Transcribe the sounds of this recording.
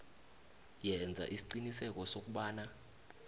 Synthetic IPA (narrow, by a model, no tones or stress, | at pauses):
jɛnd͡zʱa̰ʔisi̥ǃinisɛk̬ʼɔsok̬ʼuɓaːna